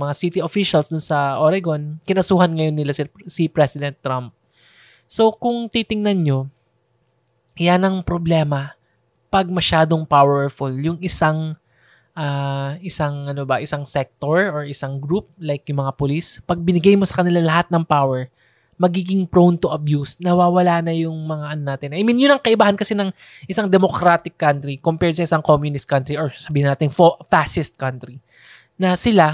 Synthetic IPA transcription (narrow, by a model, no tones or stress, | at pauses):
mɐŋasit̪ɪofiʃɐlsd̪ʊnsɐʔoɾaɡonkɪnɐsuːhɐnŋɐjonːɪlasɪsipɹɛsɪd̪ɛnt̪ːɾamp̚ | so̞kʊŋt̪it̪ɪŋnɐnɲo̞ | janɐŋpɾoblɛːmɐ | pɐɡ̚mɐʃaːd̪o̞ŋpawɛɹfʊljʊŋɪsaŋ | ʔaːʔɪsaŋʔɐnobɐʔɪsaŋsɛk̚t̪oɹoɹɪsaŋɡɾup̚lajkjʊŋmɐŋapʊlispɐɡ̚bɪnɪɡajmo̞sɐ̥kɐnɪlalɐɦat̪̚nɐŋpawɛɹ | mɐɡiːɡɪŋpɾownt̪ʊʔɐbjusnɐwaːwɐlaːnɐjʊŋmɐŋaʔɐnonaːt̪ɪnʔɐʔɪmɪnjʊnɐŋkɐʔɪbaːhɐnkɐsɛnɐŋ | ʔɪsaŋd̪ɛmo̞kɾat̪ɪkːant̪ɾikompɛɹsɐʔɪsaŋkomjʊnɪst̪̚kant̪ɾiʔoɹsɐbiːhɪnaːt̪ɪŋfofaʃɪst̪̚kant̪ɾi | nɐsɪla